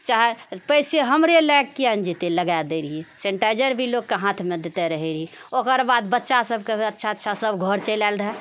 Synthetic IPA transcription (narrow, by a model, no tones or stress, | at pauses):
t͡ʃaɦepəjseɦəmɾelɛkkiənd͡ʒit̪eləɡajd̪eɾɦisẽɳʈajd͡ʒəɾbʱiloɡ̚keɦãt̪ʰmed̪et̪eɾəɦɛɾɦĩokəɾbad̪bətːʃasəbʱkeətːʃʰaətːʃʰasəbɡʱɔɾt͡ʃəlalɾəɦɛ